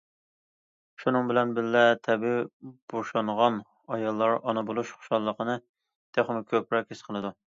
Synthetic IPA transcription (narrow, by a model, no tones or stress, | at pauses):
ʃunɨŋbɪlɛnbɪllɛt̪ʰɛbib̥oʃɑɴʁɑn | ɑjɑlˠːɑɾɑnɨbolˠuʃχʊ̥ʃɑlˠːəqənɨ | t̪ʰeχmɪkʲʰøpɾɑk̚ʲesqʰəlˠɨd̪u